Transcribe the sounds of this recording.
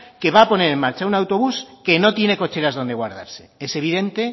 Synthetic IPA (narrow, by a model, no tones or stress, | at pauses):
ke̞βaːpo̞ne̞ɾe̞mmaɾt͡ʃaunawt̪o̞β̞uske̞no̞t̪je̞ne̞ko̞t͡ʃe̞ɾazðo̞nd̪e̞ɣwaɾð̞aɾse̞e̞se̞β̞iðe̞nt̪e̞